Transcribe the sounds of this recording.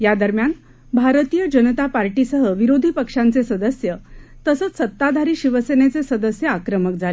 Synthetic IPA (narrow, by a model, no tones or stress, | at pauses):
jad̪əɾmjan | bʱaɾt̪ijəd͡ʑənət̪apaɾʈisəɦəʋiɾod̪ʱipəkʂãnt͡sesəd̪əsjət̪əsət͡ssət̪ːad̪ʱaɾiːɕiʋəsenet͡sesəd̪əsjəakɾəməkd͡zʱale